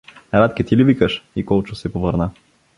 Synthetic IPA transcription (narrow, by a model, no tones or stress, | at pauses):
ɾat̪kʲɛt̪ilivikəʃikɔlˠt͡ʃosɛpovəɾna